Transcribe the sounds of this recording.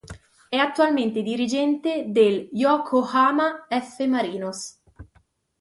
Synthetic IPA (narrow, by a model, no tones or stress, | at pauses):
ɛat̪ːualment̪ed̪iɾid͡ʒɛnt̪ed̪eljɔːkʰohaːmaɛfːemaɾiːnos